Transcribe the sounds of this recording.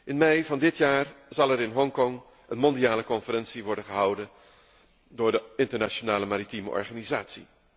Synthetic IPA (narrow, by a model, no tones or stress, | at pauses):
ʔɪnmɛjvɑndɪtjaːrzɑlˠɛɾɪnɦɔŋkɔŋ | ʔənmɔndiaːləkɔnfərɛnsiʋɔɹdəχəɦʌwdən | dʊːɹdəɪntəɹnat͡ʃonaːləmaːɾitimə̰ʔɔ̰ɹχaːnizaːtsḭ